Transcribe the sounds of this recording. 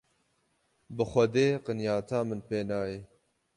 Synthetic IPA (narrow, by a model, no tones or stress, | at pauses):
bɨxʷɐd̪eːqɨnjɑːt̪ʰaːmɨnpeːnɑːjeː